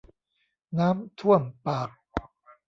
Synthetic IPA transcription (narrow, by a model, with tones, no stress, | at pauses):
naː˦˥mt̪ʰu˥˩əmpaː˨˩k̚